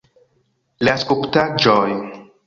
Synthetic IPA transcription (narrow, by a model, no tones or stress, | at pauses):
laskuptad͡ʒoj